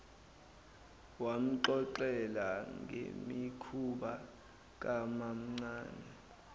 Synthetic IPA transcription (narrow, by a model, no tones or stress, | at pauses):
wam̩ǃɔǃɛlaŋḛmikʰuɓa | k̬ʼamam̩ŋ͡ǀaːnɛ